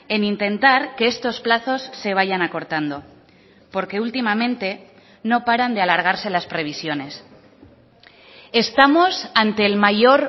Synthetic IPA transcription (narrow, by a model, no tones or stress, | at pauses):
e̞nint̪e̞nt̪aɾke̞est̪o̞splaθo̞sːe̞β̞aʝanako̞ɾt̪and̪o̞ | po̞ɾke̞ult̪imamẽ̞nt̪e̞ | no̞paɾand̪ealaɾɣ̞aɾse̞laspɾe̞β̞isjo̞ne̞s | e̞st̪amo̞sant̪e̞ːlmaʝo̞ɾ